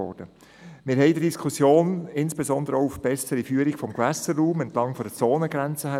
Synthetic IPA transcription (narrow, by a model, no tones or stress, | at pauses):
ɔ̰ɾd̥ə | mɪːɾɦɛɪdədiskʰusjoːnɪnsb̥ezɔnd̪əɾəɔʊufb̥ɛsəɾifyːəɾikfɔmɡvæsəɾːuːmɛntlɑŋfɔdət͡soːnəɡɾænt͡səɦæ